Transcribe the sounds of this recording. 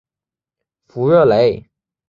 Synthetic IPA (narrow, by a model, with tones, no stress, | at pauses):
fu˧˥ɥɛ˥˩le˧˥ɪ